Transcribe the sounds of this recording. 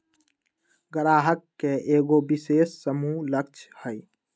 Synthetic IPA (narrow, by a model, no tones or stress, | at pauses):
ɡəɾaːɦəkːeeːɡobɪseːsːəmulək̚t͡ʃʰhəj